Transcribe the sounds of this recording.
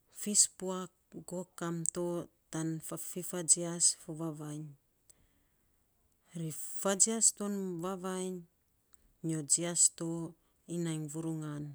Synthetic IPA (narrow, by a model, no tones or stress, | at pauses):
fispuakɡo̞kamtotanfifad͡ʒiasfoβaβajn | ɾifad͡ʒiasto̞nvaβajɲ | od͡ʒiasto | inajŋvuɾuŋan